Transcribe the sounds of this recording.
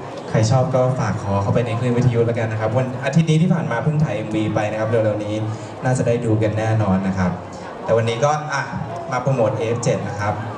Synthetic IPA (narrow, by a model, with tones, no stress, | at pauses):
kʰa˧˩jt͡ɕʰɔː˥˩p̚kɔː˥˩faː˨˩kʰːɔː˩˦kʰa˧˩wpa˧jna˧jkʰɯ˥˩nwi˦˥t̪ʰːa˧ju˦˥t̪̚laː˦˥ka˧nː˦kʰa˦˥p̚wa˧nʔa˧i˦t̪̚niː˦˥t̪ʰiː˥˩pʰaː˨˩nmaː˧pʰɯ˥˩ŋt̪ʰa˧jŋwiː˧pa˧jna˦˥kʰa˦˥p̚lɯ˧wɾa˧wniː˦˥ | naː˥˩t͡ɕa˨˩daː˥˩jduː˧k̬a˧nːɛː˥˩nɔː˧nːa˦˥kʰa˦˥p̚ | t̪ɛ˨˩wa˧nːiː˦˥kɔː˥˩ʔa˧˩ | maː˧pa˧moː˨˩t̪̚ʔeː˧˥p̚t͡ɕe˨˩t̪̚na˦˥kʰa˦˥p̚